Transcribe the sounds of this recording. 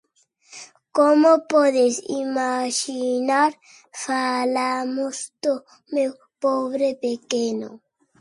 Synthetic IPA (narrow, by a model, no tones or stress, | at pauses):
komopoðesḭmaʃinaɾ | falamost̪o | mew | poβɾepekeno̰